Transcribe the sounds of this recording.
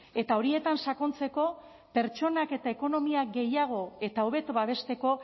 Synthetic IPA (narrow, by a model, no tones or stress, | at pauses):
e̞t̪ao̞ɾie̞t̪ansako̞nt͡se̞ko̞ | pe̞ɾt͡ʃo̞nake̞t̪ae̞ko̞no̞miak̚ɡe̞jaɣ̞o̞e̞t̪aoβ̞e̞t̪uβaβe̞st̪e̞ko̞